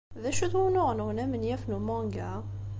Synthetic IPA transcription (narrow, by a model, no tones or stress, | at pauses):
ðæʃud̪wunʊʁnəwnæmənjæfnumɑ̃ŋɡæ